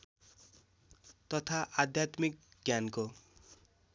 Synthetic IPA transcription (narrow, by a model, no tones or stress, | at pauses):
t̪ʌt̪ʰaʔad̪ʱjat̪mik̚ɡjanko